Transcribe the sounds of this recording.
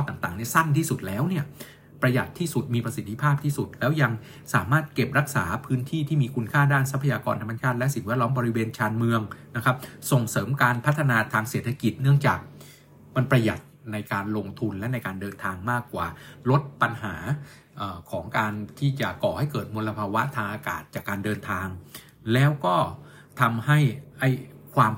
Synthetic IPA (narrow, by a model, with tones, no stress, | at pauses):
ɔ˥˩t̪aː˨˩ŋt̪aː˨˩ŋni˥˩ɐsa˥˩nt̪ʰiː˥˩su˨˩t̪̚lɛː˦˥wni˥˩ɐ | pɾa˧ja̰˨˩t̪ʰːiː˥˩su˨˩t̪̚miː˧pɾa˧si˨˩t̪ʰːi˧˥pʰaː˥˩p̚t̪ʰiː˥˩su˨˩t̪̚lɛː˦˥wja˧ŋ | saː˩˦maː˥˩t̪̚ke˨˩p̚ɾa˦˥k̚sa̰ː˩˦pʰɯː˦˥nt̪ʰiː˥˩t̪ʰiː˥˩miː˧kʰu˧nkʰaː˥˩daː˥˩nsa˦˥pʰa˧jaː˧kɔ̰ː˧nt̪ʰa˧mːa˧t͡ɕʰaː˥˩t̪̚lɛ˦˥si˨˩ŋwɛː˦˥˩t̪̚lɔː˦˥mbɔː˧ɾi˦˥weː˧nt͡ɕʰaː˧nmɯ˧əŋna˦˥kʰa˦˥p̚so˨˩ŋsɤː˩˦mkaː˧npʰa˦˥t̪ʰːa˧naː˧t̪ʰaː˧ŋseː˨˩t̪ʰːa˧ki˨˩t̪̚nɯ˥˩əŋt͡ɕaː˨˩k̚ | ma˧npɾa˧ja˨˩t̪̚na˧jkaː˧nlo˧ŋt̪ʰu˧nlɛ˦˥na˧jkaː˧ndɤː˧nt̪ʰaː˧ŋmaː˥˩kːwa̰ː˨˩lo˦˥t̪̚pa˧nɦaː˩˦ | ʔəː˨˩kʰɔː˩˦ŋkaː˧nt̪ʰiː˥˩t͡ɕa˨˩kɔː˨˩ha˥˩jkɤː˨˩t̪̚mu˧la˧pʰaː˧wa˦˥t̪ʰaː˧ŋʔaː˧ka̰ː˨˩t̪̚t͡ɕaː˨˩kːaː˧ndɤː˧nt̪ʰaː˧ŋ | lɛː˦˥wkɔː˥˩ | t̪ʰa˧mha˥˩jʔa˥˩jkʰwaː˧m